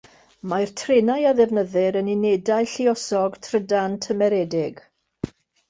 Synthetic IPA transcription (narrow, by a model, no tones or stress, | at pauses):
majrtʰrenajaðɛvnəðɪɾənɪnedaɨɬɪɔsɔɡtʰrədantʰəmɛɾɛdɪɡ̥